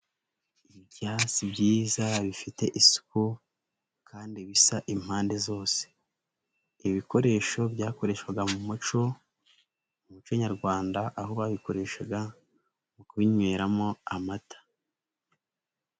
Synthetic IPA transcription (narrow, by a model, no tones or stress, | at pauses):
ibjaːsibjiːzaβifite̞ʔisu̥ku | kʰaːndiβisaʔim̥haːnde̞zo̞ːse̥ | iβiko̞ɾe̞ʃo̞bɟaːko̞ɾe̞ːʃkwaɡamumut͡ʃo̞ | umut͡ʃoɲaɾɡwaːndaʔaɦoβaβiko̞ɾe̞ʃaɡa | mukuβiɲweɾamo̞amatʰḁ